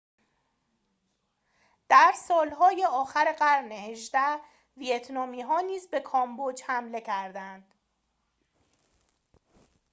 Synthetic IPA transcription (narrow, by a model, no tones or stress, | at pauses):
d̪̥æɾsɒːlɦɒːje̞ɒːxæɾeɢæɾneheʒd̪æh | vijet̪ʰnɒːmiːɦɒːniːzbe̞kʰɒːmbod͡ʒhæmle̞cʰæɾd̪ænd̪̥